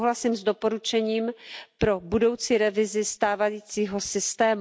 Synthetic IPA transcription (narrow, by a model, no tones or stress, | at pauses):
ɦlasiːmzd̪o̞po̞ɾut͡ʃɛɲiːmpɾo̞budo̞wt͡siːɾɛvɪzɪst̪aːvajiːt͡siːɦo̞sɪst̪ɛːm